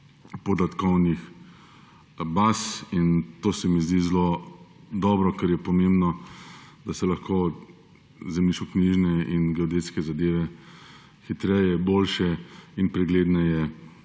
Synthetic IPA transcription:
pɔd̪at̪kɔwnix | basint̪oːsɛmizd̪izlo | d̪ɔːbɾɔkɛɾjɛpɔmẽmbnɔd̪asɛlaxkoː | zɛmliʃkɔkniʒnɛinɡɛɔd̪et̪skɛzad̪eːʋɛ | xit̪ɾɛjɛboːlʃɛinpɾɛɡleːd̪nɛjɛ

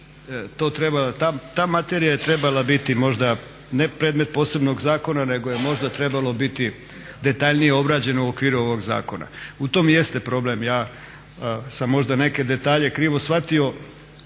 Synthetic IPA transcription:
t̪o̞ːt̪ɾebalat̪aːt̪aːmat̪eːɾijaje̞t̪ɾe̞balabit̪imo̞ʒd̪a | ne̞pɾeːd̪me̞t̪̚po̞ːse̞bno̞ɡzaːko̞nane̞ɡoje̞mo̞ʒd̪at̪ɾe̞balˠo̞bit̪i | d̪e̞t̪aʎnijeo̞bɾaːd͡ʑe̞nauokʋiːɾuo̞ʋo̞ɡza̰ːko̞na̰ut̪o̞ːmjest̪e̞pɾo̞ble̞mjaː | samːo̞ʒd̪ane̞ke̞d̪e̞t̪aːʎe̞kɾiːʋo̞sʋat̪io̞

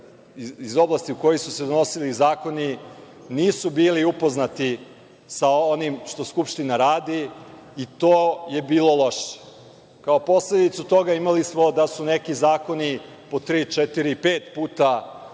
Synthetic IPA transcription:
izo̞blˠast̪iuko̞jisused̪ono̞silizaːko̞ni | niːsubiːliupo̞znat̪i | saonimʃt̪o̞skupʃt̪inaɾaːd̪iː | t̪oːje̞biːlo̞lˠo̞ʃe̥ | kao̞po̞sled̪it̪sut̪o̞ɡaimalismo̞d̪asunekizaːko̞ni | po̞t̪ɾiːt͡ʃɛt̪iɾiipeːt̪puːt̪a

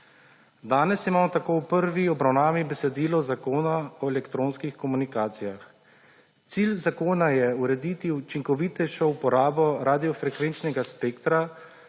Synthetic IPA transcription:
d̪aːnɛsjimaːmɔt̪akowpəɾʋiɔbɾawnaːʋibɛsɛd̪iːlɔzakoːnaɔɛlɛkt̪ɾoːnskixkɔmunikaːt̪sijax | t̪siːlzakoːnajɛuɾɛd̪it̪iut͡ʃiŋkɔʋiːt̪ɛjʃɔupɔɾaːbɔɾaːd̪ijɔfɾɛkʋent͡ʃnɛɡaspeːkt̪ɾa

